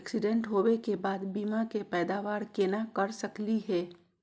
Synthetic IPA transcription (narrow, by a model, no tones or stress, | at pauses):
ksɪɖɛ̃ɳʈɦoːwekebaːd̪biːmakepɛːd̪aːʋaːɾkeːnakɐɾsɐkliɦɛː